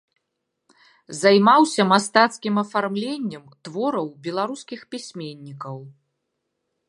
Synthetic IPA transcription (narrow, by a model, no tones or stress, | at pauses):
zajmawsʲɐmast̪at̪skʲimɐfarmlʲenʲːɛmt̪vɔɾɐwbʲɛlˠaɾuskʲixpʲisʲmʲenʲːikɐw